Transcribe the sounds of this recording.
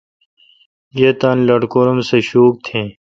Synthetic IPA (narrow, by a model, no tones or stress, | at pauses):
jeːt̪ɐnlɐɖkoːɾɐmseɕuːk̚t̪ʰẽː